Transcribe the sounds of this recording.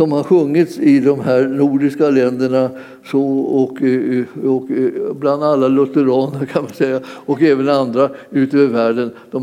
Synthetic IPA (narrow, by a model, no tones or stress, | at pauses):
sɔmhaɾɧɵŋːɪt̪sɪd̪ɔmɦæːɾnuːɖɪskalɛnd̪əɳa | sɔɔk | ɔkbland̪alːalɵt̪əɾɑːnəɾkʰanmansɛjːaɔkɛːvənand̪ɾaʉ̟ːt̪øːvəɾvæːɖənd̪̥ɔm